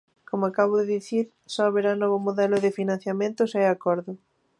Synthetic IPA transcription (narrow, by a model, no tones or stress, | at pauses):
komoakaβ̞oðɪðiθiɾ | sɔaβeɾanɔβomoðɛlʊðɪfinãn̟θjamẽnt̪ʊsaɛakɔɾðʊ